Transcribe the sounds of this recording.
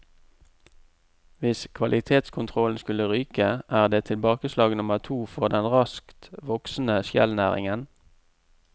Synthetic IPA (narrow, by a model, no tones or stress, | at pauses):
ʋɪskʰʋɑlʔɪt̪ʰeːt̪skʰʊnt̪ʰʁɔln̩skʉləʁyːkəʔæːʁd̪eːt̪ʰɪlbɑːkəslɑːɡnʊməʁt̪ʰuːfɔʁd̪ɛnʁɑskt̪ʋɔksn̩əʃjɛ̰lnæːʁɪ̰ŋən